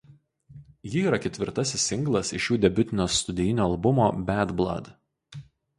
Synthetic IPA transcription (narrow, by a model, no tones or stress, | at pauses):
jɪiːɾɐkʲɛt̪ʲʋʲɪɾt̪ɐsʲɪsːʲɪŋɡlˠɐsɪʃjuːd̪ʲɛbʲʊt̪ʲɪnʲoːst̪ʊd̪ʲɛjɪnʲoːɐlˠbʊmoːbʲæd̪blˠɐ̰d̪